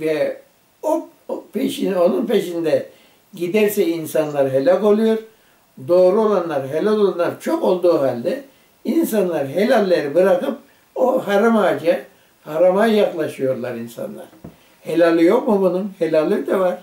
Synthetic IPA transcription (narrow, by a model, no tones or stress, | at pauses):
vɛ | o | pʰeʃino̞nunpeʃind̪ɛ | ɟid̪æɾsɛinsanlˠaɾɦelʲako̞lˠujo̞ɾ | d̪o̞ːɾuo̞lˠanlˠaɾɦelʲalʲolˠanːˠaɾt͡ʃʰo̞ko̞lˠd̪uːɦalʲd̪ɛ | insanlˠaɾɦelʲalʲːe̞ɾibɯɾakɯp̚ | oɦaɾamaːd͡ʒa | haɾamajjaklˠaʃɯjo̞ɾlˠaɾinsa̰nlˠa̰ɾ̥ | helʲalʲijo̞kmubununhelʲalʲːid̪ɛvaɾ̥